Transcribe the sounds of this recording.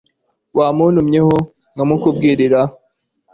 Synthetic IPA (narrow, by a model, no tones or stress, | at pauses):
waːmuːnumɲeho | ŋɡamukub̚ɡiːɾiɾa